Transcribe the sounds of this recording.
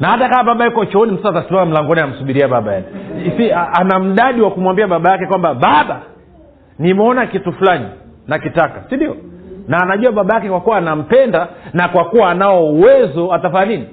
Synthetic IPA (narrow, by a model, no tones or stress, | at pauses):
nahatakaːɓaɓaikɔt͡ʃɔɔnim̩saatasimaam̩laŋɡɔniam̩suɓiɾiaɓaɓaja̰nsiaanam̩ɗaɗiwakumwambiaɓaɓajakɛkwambaɓaɓa | nimɛɔnakitufulani | nakitakasindiɔnaːnaʄuwaɓaɓajakɛkwakuwaːnam̩pɛndanakwakuwaːnaɔuwɛzɔatafaːnini